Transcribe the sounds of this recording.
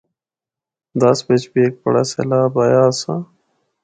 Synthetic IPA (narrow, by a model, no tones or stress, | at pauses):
d̪ɐsbet͡ʃbiek̚pɐ̰ɽa̰sḛlaːbajaːsa